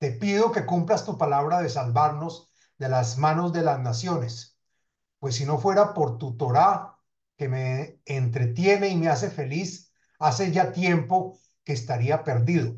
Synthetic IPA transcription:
t̪e̞piðo̞ke̞kumplast̪upalaβɾaðe̞salbaɾno̞z | d̪e̞lazmano̞zd̪e̞laznasjo̞ne̞s | pwe̞s̬ːino̞fwe̞ɾapo̞ɾt̪ut̪o̞ɾa | ke̞me̞ːnt̪ɾe̞t̪je̞ne̞imeas̬e̞fe̞lis | ase̞ʝat̪je̞mpo̞ | keːst̪aɾiape̞ɾd̪iðo̞

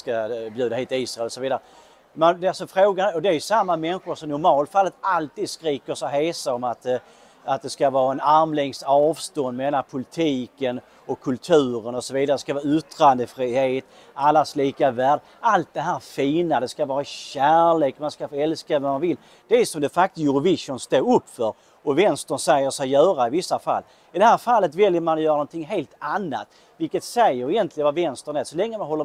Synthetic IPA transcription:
skabjʉ̟ːd̪aheːt̪ɪiːsɾaɛlːɔsɔviːd̪aɾə | mand̪alsɔfɾoːɡanæɾɔd̪ɛæɾjɵsamːamɛnɧʊɾsɔmnʊɾmɑːlt̪falːət̪alt̪ʰiːd̪skɾiːkəɾsɔɦeːsaɔmat̪ | at̪̚d̪ɛskavɑːɾaɛnaɾmlɛŋsɑːvst̪ɔnd̪mɛd̪ɛnːanpʰʊlɪt̪ʰiːkən | ɔkʰːɵlt̪ʰʉ̟ːɾənɔsɔviːd̪aɾəɛskavɑːʏt̪ʰːɾand̪əfɾiːheːt̪ | alːasliːkavæːɖ | alt̪̚d̪ɛɦæːɾfiːnad̪ɛskavɑːɾaɕæːɭeːkmanskafoɛlskavɛmanvɪlː | d̪̥ɛæsɔmd̪ɛfak̚t̪sjʉɾʊvɪʂʊnst̪oːɵpːfœɾ | ɔvɛnst̪əɳsɛjːəʂɛjjœːɾaɪvɪsːafa̰lː | ɪd̪ɛɦæːɾfalːət̪vɛljəɾmanɔjœːɾanɔnt̪ʰɪŋːɦeːlt̪anːa̰t̪ | vɪlkət̪sɛjːəɾɪjɛnt̪ʰlɪɡənvavɛnst̪əɳɛːsɔlɛŋːəmanɦɔlːə

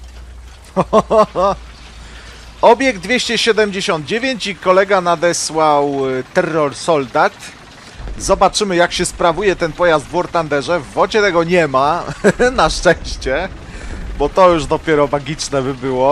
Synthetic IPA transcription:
ɔbʲjɛɡ̚d̪vʲjeɕt͡ɕɛɕɛd̪ɛmd͡ʑeɕɔnd̪̚d͡ʑevʲjeɲt͡ɕikɔlɛɡanad̪ɛswawt̪ɛrːɔɾsɔld̪at̪ | zɔbat͡ʂɘmɘjakɕɛspɾavujɛt̪ɛnpɔjazd̪vɔɾt̪and̪ɛʐɛvːɔt͡ɕɛt̪ɛɡɔɲɛmanaʂt͡ʂɛj̃ɕt͡ɕɛ | bɔt̪ɔjuʐd̪ɔpʲjɛɾɔmaɡʲit͡ʂnɛbɘbɘwɔ

